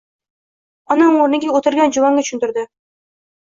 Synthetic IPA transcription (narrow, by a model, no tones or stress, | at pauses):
ɒnaŋoɾnɪɡʲaot̪ɪɾɡʲand͡ʒʊvaŋɡʲat͡ʃʰʊ̥ʃʰʊnt̪ʊɾd̪ɪ